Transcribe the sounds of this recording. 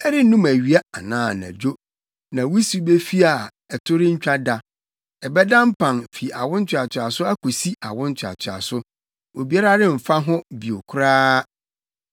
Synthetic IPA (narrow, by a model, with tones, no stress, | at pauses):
ɛ˦ɾɪ˦nũ˦mæ˨ɥi˨˦a˦a˨nãː˨˦˨nã̰˨d͡ʑo˦ | nã˨wu˦su˦be˦fi˦a˨ | ɛ˨tʰʊ˦ɾɪ˦ɲ̩˦t͡ɕᶣa˦da˨ | ɛ˨bɛ˦dã˦m̩˦pʰã˨nfi˨a˨wʊ̃˦n˦t͡ɕᶣɪ˨a˨t͡ɕʰᶣɪ˨a˨sʊ˦a˦kʰo˨si˦a˨wʊ̃˦n̩˦t͡ɕʰᶣa̰˨t͡ɕʰᶣɪ˨a̰˨sʊ˦ | o˨bi˨˦a˦ɾa˦ɾɪ˦m̩˨fa˦ɦʊ̃˦bi˨o˨kʰʊ˦ɾaː˦